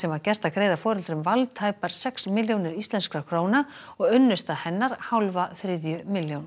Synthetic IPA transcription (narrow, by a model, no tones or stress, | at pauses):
sɛmaðcɛst̪akʰɾeːjðafɔːɾʏlt̪ɾʏmvalt̪ʰaːjpaɾ̥sɛksmɪljownɪɾist̪lɛnskɾakʰɾoːwnaɔɣʏnːʏst̪ahɛnːaɾ̥hawlvaθɾɪðjʏmɪljown